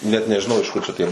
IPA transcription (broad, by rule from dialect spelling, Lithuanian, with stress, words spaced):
ˈnʲɛt nʲɛʒʲɪˈnɐʊ ɪʃ ˈkʊr t͡ʃʲɛ ˈtʲiɛ